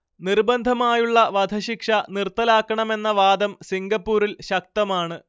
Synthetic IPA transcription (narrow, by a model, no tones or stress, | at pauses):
nirbɐnd̪ʱɐmaːjuɭːɐʋɐd̪ʱɐɕikʂɐnirt̪ːɐlaːkːɐɳɐme̞nːɐʋaːd̪ɐmsiŋɡɐpːuːɾilɕɐk̚t̪ɐmaːɳɨ